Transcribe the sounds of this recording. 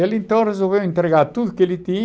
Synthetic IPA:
elĩnt̪õrezolvewĩnt̪ɾeɣaɾt̪uðukelit̪i

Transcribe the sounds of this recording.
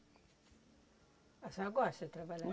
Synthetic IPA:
asaɡoasɛtɾabala

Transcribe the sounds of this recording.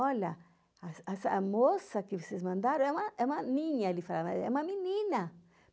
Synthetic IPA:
ɔlɐ | asasɐmosɐkɪvosezmɐ̃nd̪aɾɐ̃ɛũmɐʔɛũmɐnĩɲɐlifalamɛ̰ũmɐminĩnɐ

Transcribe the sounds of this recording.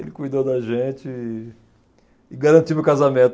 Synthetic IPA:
ḛlɪkujd̪od̪ɐʒẽt͡ʃɪ | ɡaɾɐ̃t͡ʃimʊkazamẽnt̪

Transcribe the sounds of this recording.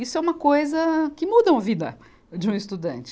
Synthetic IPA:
isʊɛũmɐkojzɐkɪmud̪ɐũɐvid̪ɐ̰ | d͡ʒɪũɪst̪ud̪ɐ̰̃nt͡ʃɪ̥

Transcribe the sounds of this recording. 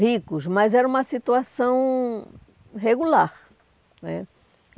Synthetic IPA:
ɦikʊsmɐzɛɾɐũmɐsit̪uasɐ̃w̃ | ɦeɡulaɾ | nɛ

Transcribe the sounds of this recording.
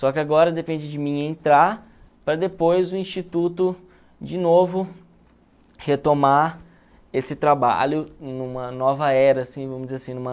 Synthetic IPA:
sɔkɪaɡɔɾɐd̪epẽd͡ʒɪd͡ʒɪmĩẽnt̪ɾaɾ | pɾɐd̪epojzʊĩst͡ʃit̪ut̪ʊ | d͡ʒɪnovʊ | het̪oma | esɪt̪ɾaba̰ʎʊnũmɐnɔvɐɛɾɐsĩvɐ̃mʊzd͡ʒɪzeɾasĩnũmɐ

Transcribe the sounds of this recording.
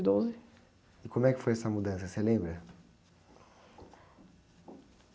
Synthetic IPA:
d̪ozɪ | ɪkõmʊɛkɪ̥fojɛsɐmud̪ɐ̃sɐselẽbɾɐ

